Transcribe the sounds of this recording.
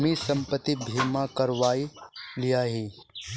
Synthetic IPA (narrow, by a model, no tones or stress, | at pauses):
misɐ̃mpət̪ːibʱiːmakɐɾʋaːilijaɦiː